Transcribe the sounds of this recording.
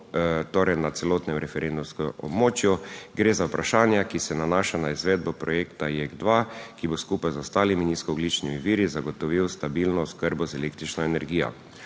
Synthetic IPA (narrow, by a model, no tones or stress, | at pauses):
t̪oɾɛjnat̪sɛloːt̪nɛmɾɛfɛɾend̪umskɔɔ̰bmoːt͡ʃjuɡɾeːzawpɾaʃaːnjakisɛnanaːʃanaizʋeːd̪̚bɔpɾɔjeːkt̪ajeɡd̪ʋakiboskupajzɔst̪aːliminiskɔɔɡlit͡ʃnimiʋiːɾizaɡɔt̪ɔʋiwst̪abiːlnɔɔskəɾbɔzɛlek̚t̪ɾit͡ʃnɔɛnɛɾɡiːjɔ̰